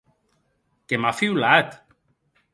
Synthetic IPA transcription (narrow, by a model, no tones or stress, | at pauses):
kemafiwlat̪